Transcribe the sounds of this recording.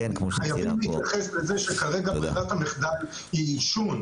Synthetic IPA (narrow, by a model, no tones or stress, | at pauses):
χajavimleit̪jaχe̞sbezeʃekaʁe̞ɡabχadat̪ameχd̪al | hiːʃun